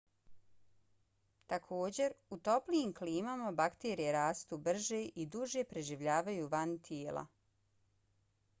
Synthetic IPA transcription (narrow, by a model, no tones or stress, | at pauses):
t̪akʰo̞ːd͡ʑe̞ɾut̪o̞plijimkliːmamabakt̪eːɾijeɾaːst̪ubr̩ʒeʔid̪uʒe̞pɾe̞ʒiʋʎaːʋajuːʋant̪ʰjeːlˠa̰